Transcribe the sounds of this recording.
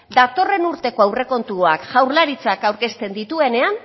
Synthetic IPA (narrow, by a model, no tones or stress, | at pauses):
d̪at̪o̞re̞nuɾt̪e̞ko̞awre̞ko̞nt̪uoakʝawɾlaɾit͡sakawɾke̞st̪e̞nd̪it̪ue̞ne̞an